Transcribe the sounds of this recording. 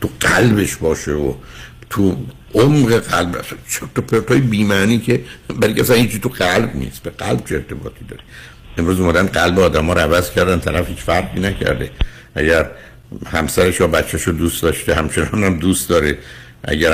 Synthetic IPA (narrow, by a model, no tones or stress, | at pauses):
t̪ʰuɢ̥ælbe̞ʃbɒːʃeot̪ʰu | ʔomɢeɣælbæ̰st͡ʃʰet̪opʰeɾt̪ʰoːjebiːmæːniːcʰebæɾiŋcʰʲæsænhiːt͡ʃʰːit̪uɢælbnḭːsb̥eɡælb̥̚t͡ʃʰeeɾt̪ʰe̞bɒ̰ːt̪ʰiːd̪ɒ̰ːɾe | emɾuːzumæd̪ænd̪ɢælbeɒːd̪æmɒːɾoævæzcʰæɾd̪ænt̪ʰælæfhiːt͡ʃfæɾʁiːnæcʰæ̰ɾd̪ḛ | ʔæɟæɾ | hæmsæɾeʃjɒːbæt̪t͡ʃʰːæʃod̪ust̪d̪ɒːʃt̪ehæmt͡ʃʰe̞nɒːnæmd̪uːst̪d̪ɒːɾe | ʔæ̰ɟæ